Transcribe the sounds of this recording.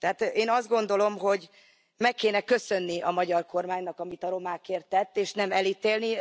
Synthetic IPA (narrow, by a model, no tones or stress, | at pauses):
t̪ɛɦaːt̪eːnɒzd̪ɡo̞nd̪o̞lo̞mɦo̞ɟ | mɛkːeːnɛkø̞sø̞nːiɒmɒɟɒrko̞rmaːɲnɒkɒmit̪ɒɾo̞maːkeːrt̪ːɛt̪ːeːʃnɛmɛliːt̪eːlni